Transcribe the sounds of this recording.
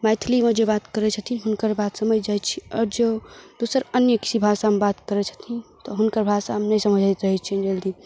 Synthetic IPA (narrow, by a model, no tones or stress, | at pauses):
majt̪ʰlimed͡ʒebat̪kəɾɛt͡ʃʰət̪ʰiɦunkəɾbat̪səməd͡ʒd͡ʒajtt͡ʃʰiɔːɾd͡ʒod̪̥usəɾənjəki̥sibʱasaəmebat̪kəɾɛt͡ʃʰə̥t̪ʰĩt̪ɔɦunkəɾbʱasaɦəmnəsəməd͡ʒʱajt̪ɾəɦɛt͡ʃʰid͡ʒeld̪i